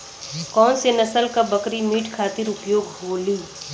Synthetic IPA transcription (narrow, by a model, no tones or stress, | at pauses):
kɔːnsenɐsəlkabɐkɾimiːʈkʰaːt̪ɪɾʊpjoːɡɦoːliː